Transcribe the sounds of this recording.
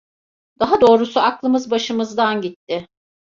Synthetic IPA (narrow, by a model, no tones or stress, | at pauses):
d̪̥aɦad̪o̞ːɾusuaklˠɯmɯzbaʃɯmɯzd̪anɟit̪ːɪ